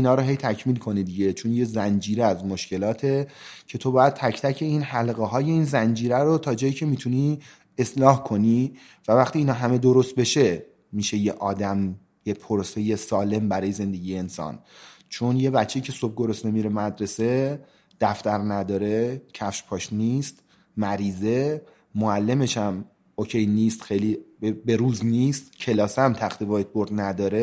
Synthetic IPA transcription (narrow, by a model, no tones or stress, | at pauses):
inɒːɾoɦe̞jt̪ʰæcʰmiːlkʰo̞nid̪iɟe̞t͡ʃʰonjezænd͡ʒiːɾeæzmoʃce̞lɒːt̪ʰe̞ | cʰe̞t̪ʰo̞bɒːjæd̪̚t̪ʰæcʰt̪ʰæcʰe̞iːnhælɣeɦɒːje̞iːnzænd͡ʒiːɾæɾot̪ʰɒːd͡ʒɒːjiːcʰe̞miːt̪ʰuniː | e̞slɒːhkʰo̞ni | vævæxt̪iːnɒːɦæme̞d̪o̞ɾo̞st̪̚be̞ʃe̞ | miʃe̞jeʔɒːd̪æm | jepʰoɾose̞je̞sɒːle̞mbæɾɒːje̞ze̞nd̪e̞ɟiːjeːnsɒ̰ːnt͡ʃʰo̞nje̞bæt͡ʃʰːeicʰe̞sob̚ɡo̞ɾosnemiɾemæd̪ɾe̞se̞ | d̪̥æft̪æɾnæd̪ɒːɾe̞cʰæfʃpʰɒːʃniːst̪ | mæɾiːze̞ | moælːe̞me̞ʃæm | ocʰe̞jniːst̪xejlibbe̞ɾuːzniːst̪cʰe̞lɒːsæmt̪ʰæxt̪evɒːjet̪̚boɾd̪næd̪ɒːɾe